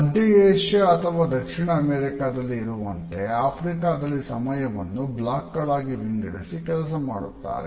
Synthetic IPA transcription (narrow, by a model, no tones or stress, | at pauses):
ɐɖieːʂeɐt̪ʰɐʋaːd̪ɐkʂiɳɐːmeːɾikaːd̪ɐlːiːɾuʋɐnt̪e̞aːpʰɾikaːd̪ɐlːisɐ̰mɐjɐʋɐ̰nːublaːkːɐɽaːɡiʋiɳɖiɽḭsikɛlɐs̬ɐma̰ːɽut̪ːa̰ːɾḛ